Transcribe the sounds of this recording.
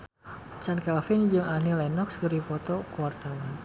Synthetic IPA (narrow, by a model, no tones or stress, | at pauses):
t͡ʃankɛlfɪnd͡ʒɨŋanilɛnɔkskəɾipɔt̪ɔkuwart̪awan